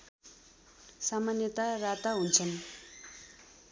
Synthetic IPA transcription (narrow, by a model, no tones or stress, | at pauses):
samanet̪arat̪aɦont͡ɕʰan